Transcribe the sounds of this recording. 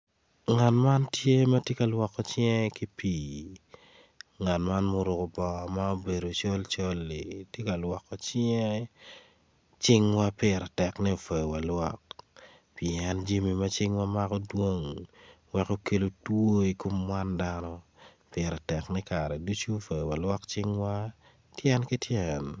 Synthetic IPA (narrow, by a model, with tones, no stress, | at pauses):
ŋa˨tma˦ntje˦mɐ˦tje˦ka˨lwɔ˨kːɔ˦t͡ʃjɛ̃˦ki˦pi˨ | ŋa˨tma˦nmo˦ɾʊ˨ko˨bɔ˨ma˦o˦be˨ɾo˨t͡ʃo˦lt͡ʃo˦lːi˨tje˦ka˨lwɔ˨kːɔ˨t͡ʃɛ˦ | t͡ʃɪ˦ŋwa˦pɪɾɛ˨tɛ˨knɛ˦˨fo˨jwa˨lwɔ˦k̚ | pi˨ɛ˦nd͡ʒi˦mi˨mɐ˦t͡ʃɪ˦ŋwa˦ma˦kɔ˦dwo˦ŋ | wɛ˨ko˦ke˨lo˨two˦i˨ko˦mːwa˦ndanɔ˦ | pjɛ˨ɾɛ˨tɛ˨knɛ˦ka˨ɾɛ˨du˦t͡ʃu˦fo˨jwa˨lwɔ˦kt͡ʃɪ˦ŋwa˦ | tjɛ˦nki˦tjɛn